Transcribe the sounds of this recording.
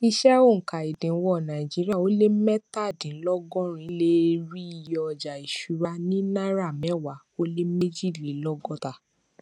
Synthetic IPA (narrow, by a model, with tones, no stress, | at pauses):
i˧ʃɛ˦o˦˨ŋ̩˨ka˨i˨dĩ˨˦wɔ˧˦˨nã˨i˨d͡ʒi˨˦ɾi˦a˦˨o˦le˦mɛ˦ta˦˨dĩ˨˦lɔ˦ɡɔ̃˦ɾ̃ĩ˨˦le˦ɾi˦i˧˨jɔ˧˨d͡ʒa˨i˨ʃu˨˦ɾa˧nĩ˦na˦ɾa˦˨mɛ˦˨wa˨˦ | o˦le˦me˦d͡ʒi˦˨li˨˦lɔ˦ɡɔ̃˦ta˧˨